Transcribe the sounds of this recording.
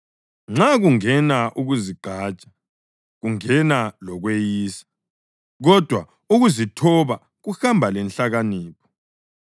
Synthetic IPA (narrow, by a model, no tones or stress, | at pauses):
ŋ͡ǁaɣuŋɛnaʔuɣuziɡ͡ǃʱaːt͡ʃʼḁ | ɣuŋɛnalɔɣwejiːsḁ | ɣɔd̥ʱwa | uɣuzitʰɔβa | ɣuxambʱalɛnɬaɣaniːpʰɔ̥